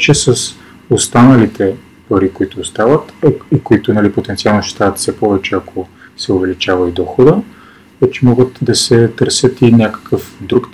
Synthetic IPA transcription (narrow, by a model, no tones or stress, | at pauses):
t͡ʃɛsɐs | ost̪anəlit̪ʰɛ | pɐɾikoit̪ʊːst̪avət̪ikoit̪ʊnɐlipot̪ɛnt̪sialˠnoʃɛ̥t̪avət̪fsɛpɔvɛt͡ʃɛɐkʰo | sɛʊvɛlit͡ʃavɐid̪ɔxod̪ə | ɛt͡ʃɛmɔɡət̪d̪ɐsɛt̪ɤɾsʲjət̪inʲjakə̥kʰəfd̪ɾuk̪